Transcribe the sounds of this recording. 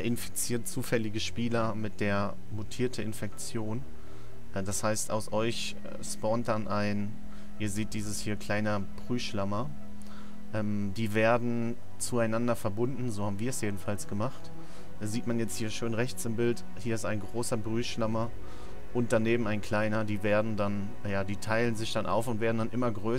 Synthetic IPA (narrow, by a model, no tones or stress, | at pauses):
ɐʔɪnfi̥t͡siːɐt̚t͡suːfɛlɪɡəʃpiːlɐ | mɪt̚d̥eːɐ | mutʰiːɐtʰəɪnfɛk̚t͡sjoːn | ʔɛd̥ashaɪstaʊsʔɔʏç | ɛspɔːnt̚d̥anʔaɪn | ʔiːɐziːt̚d̥iːzəshiːɐkʰl̥aɪnə | b̥ʁyːʃlamɐ | ʔɛːm | d̥iːveːɐdn̩ | t͡suaɪnandɐfɛɐbʊndn̩zoːhaːbm̩viːɐɛsjeːdn̩falsɡ̥əmaχtː | ziːtmanjɛt͡sthiːɐʃøːnʁɛçt͡sɪmbɪlt | hiːɐɪstaɪnɡʁoːsɐbʁyːʃlamɐ | ʔʊnt̚d̥aneːbm̩aɪnkʰl̥aɪnɐdiːveːɐdn̩dan | jaːdiːtʰaɪlənzɪçd̥anʔa̰ʊfʊntv̥eːɐdn̩danʔɪmɐɡʁøː